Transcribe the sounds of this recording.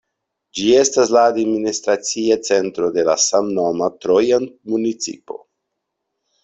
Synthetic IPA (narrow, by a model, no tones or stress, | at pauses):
d͡ʒie̞staslaːdministɾat͡siat͡se̞ntɾo̞de̞lasamnomatɾojanmunit͡sḭpo̞̰